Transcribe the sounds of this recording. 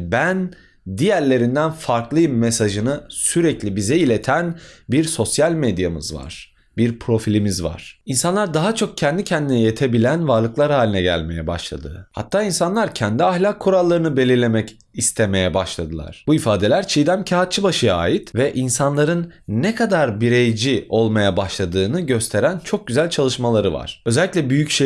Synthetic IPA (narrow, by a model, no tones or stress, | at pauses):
bæn | d̪ijæɾlʲe̞ɾind̪ænfaɾklˠɯjɯmːesaʒɯnɯsyɾɛclʲibizɛilʲe̞t̪ʰænbiɾso̞sjalʲmed̪jamɯ̰zva̰ɾ̥ | biɾpʰɾo̞filʲimizva̰ɾ̥insanlˠaɾd̪aɦat͡ʃʰo̞k̚cʰɛnd̪icʰɛnd̪inɛjet̪ʰe̞bilʲænvaɾlˠɯklˠaɾhaːlʲinɛɟæ̰lʲme̞jɛba̰ʃlˠa̰d̪ɯha̰t̪ʰːaːinsanlˠaɾcʰɛnd̪iahlʲakʰːuɾalˠːaɾɯnɯbe̞lʲiɾlʲe̞mɛc | ist̪ʰe̞me̞jɛbaʃlˠad̪ɯlˠa̰ɾ̥b̥uifaːd̪e̞lʲæɾt͡ʃʰijd̪æmcʰaɦat̪̚t͡ʃʰɯbaʃɯja̰ːjit̪vɛʔinsanlˠaɾɯnːekʰad̪aɾbiɾejd͡ʒio̞lˠmajabaʃlˠad̪ɯːnɯɟø̞st̪ʰe̞ɾænt͡ʃʰo̞k̚ɟyzælʲt͡ʃʰalˠɯʃmalˠaɾɯva̰ɾ̥øzɛlʲːiclʲɛbyjycʃe